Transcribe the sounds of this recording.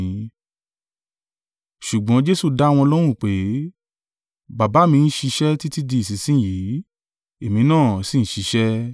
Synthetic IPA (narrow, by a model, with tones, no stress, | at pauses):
ʃu˨ɡ͡bɔ̃˨˦d͡ʒe˦su˦˨da˦wɔ̃˧ɔ˧lɔ˦ɾ̃ũ˦˨k͡pe˨˦ | ba˨ba˨˦mĩ˧n̩˦ʃi˧ʃɛ˦ti˦ti˦di˧˦i˨s̬i˨˦sĩ˦ji˨˦ | e˨mĩ˨˧˦nãː˦˨si˦˨ñ̩˦ʃi˨˧ʃɛ˦